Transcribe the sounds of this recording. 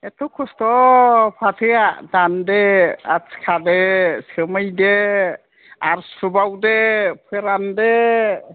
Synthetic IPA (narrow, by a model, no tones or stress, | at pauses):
ɛt̪ʰɔkʰɔst̪ɔpʰatʰejadandeaskʰadesəmajde | aɾsubawdepʰeɾande